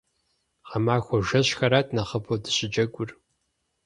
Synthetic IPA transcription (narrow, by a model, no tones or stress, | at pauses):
qɐmaːxʷɔʒɐɕxɐɾaːtʰnɐχəpʰodɨ̥ɕʼɪd͡ʒɐɡʷʼʊr